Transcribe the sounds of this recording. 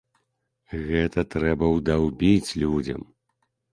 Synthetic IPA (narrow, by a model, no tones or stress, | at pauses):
ɣɛt̪ɐt̪ɾɛbɐwd̪ɐwbʲit͡sʲlʲud͡zʲɐ̰m